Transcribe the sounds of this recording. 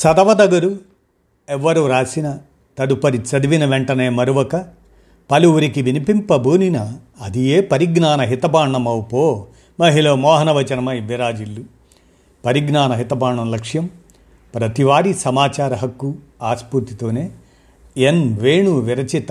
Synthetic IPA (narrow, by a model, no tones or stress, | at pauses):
sɐd̪ɐʋɐd̪ɐɡɐɾu | ɛʋːɐɾuɾaːsinɐ | t̪ɐd̪upɐɾit͡ʃɐd̪iʋinɐʋeɳʈɐneːmɐɾuʋɐkɐ | pɐluʋuɾikiʋinipimpɐbʱuːninɐː | d̪ijeːpɐɾiɡnaːnɐɦit̪ɐbaːɳːɐmɐwpoː | mɐɦilɐmɔːɦɐnɐʋɐt͡ʃɐnɐmɐiʋiɾaːd͡ʒilːu | pɐɾiɡnaːnɐɦit̪ɐbaːɳɐmlɐkʂjɐm | pɾɐt̪iʋaːɾisɐmaːt͡ʃaːɾɐɦɐkːu | aːspuɾt̪it̪oːneː | enʋeːɳuʋiɾɐt͡ʃit̪